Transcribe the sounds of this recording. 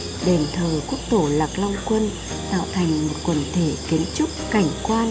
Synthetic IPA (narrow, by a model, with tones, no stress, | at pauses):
ɗe˨˩nt̪ʰəː˨˩jku˦˥ək̚t̪o˧˩laː˨˩k̚la˧wŋ͡mkwə˧n | t̪a̰ː˧˨wt̪ʰa˨˩jŋ̟mo˨˩t̚kwə˨˩nt̪ʰe˧˩ki˨˦ənt͡ɕʊ˦˥k͡p̚ka˧˩jŋ̟kwaː˧n